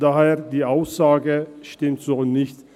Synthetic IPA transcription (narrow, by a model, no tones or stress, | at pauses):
d̥aːɦeːɐdiːʔaʊsz̥aːɡəʃtɪmtz̥oːnɪçt